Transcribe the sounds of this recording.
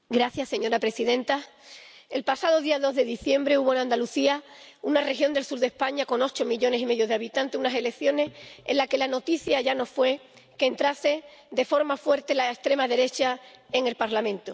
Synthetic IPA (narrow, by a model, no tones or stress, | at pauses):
ɡɾaθjasːe̞ɲo̞ɾapɾe̞siðẽ̞nt̪a | e̞lpasað̞o̞ðiaðo̞ɦðe̞ðiθje̞mbɾe̞uβo̞enãnd̪aluθiaunare̞xjo̞nd̪e̞lsuɾðe̞hpaɲako̞no̞t͡ʃo̞miʎo̞ne̞sime̞ðjo̞ðeaβit̪ãnt̪e̞sunase̞le̞kθjo̞ne̞sḛnlake̞lano̞t̪iθjaʝano̞sfwe̞ | ke̞ːnt̪ɾase̞d̪e̞fo̞ɾmafwe̞ɾt̪e̞laest̪ɾe̞maðe̞ɾe̞t͡ʃae̞ŋe̞lpaɾlamẽnt̪o